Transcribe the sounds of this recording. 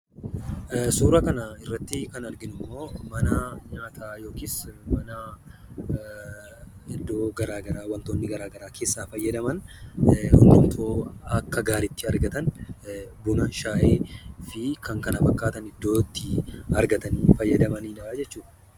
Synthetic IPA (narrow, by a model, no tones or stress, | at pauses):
suːɾɐkɐnɐɪrːɐt̪ːɪkɐnɐɾɡɪnʊmːo̞ːmɐnɐɲaːt̪ʰaːjo̞ːkismɐnɐ | ɪd̪ːo̞ːɡɐɾaːɡɐɾaːwɐnt̪oːnːɪɡɐɾaːɡɐɾaːkʰe̞ːsːaːfɐjːɐd̪ɐmɐn | hʊnd̪ʊnt̪ʰoːɐkːɐɡaːɾɪt̪ːɪɐɾɡɐt̪ɐn | bʊnaːnʃaːʔeːfɪkɐŋkɐnɐfɐkːaːt̪ɐnɪd̪ːo̞ːt̪ːɪɐɾɡɐt̪ɐniːfɐjːɐd̪ɐmɐniːnːd͡ʒɛt͡ʃːuːᶑɐ